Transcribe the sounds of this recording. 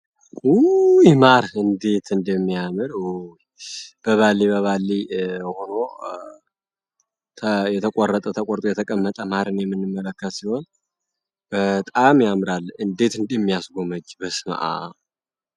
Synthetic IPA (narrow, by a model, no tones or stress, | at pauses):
ujmaɾɨnd̪e̞t̪ʰɨnd̪əmːijamɨɾuj | b̥əβalːiβəβalːiho̞no̞ | t̪ʰəjɛt̪ʰəkʼorːət̪ʼət̪ʰəkʼoɾt̪ʼujɛt̪ʰəkʼəmːət̪ʼəmaɾɨnjɛmːɨnːɨmːələkːət̪siho̞n | bət̪ʼamjamɾalːɨnd̪e̞t̪ɨnd̪jɛmːijasɡo̞məd͡ʒːbəsma̰ʔa̰